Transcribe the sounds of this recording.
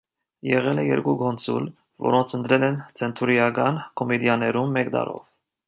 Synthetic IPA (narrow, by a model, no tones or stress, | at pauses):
jɛʁɛlɛjɛɾɡuɡɔnt͡sʰṵl | vɔ̰ɾɔnt͡sʰənt̪ɾɛlɛnt͡sʰɛnt̪ʰuɾijɑɡɑnkʰɔmɛd̪jɑnɛɾumːɛkd̪ɑ̰ɾɔ̰v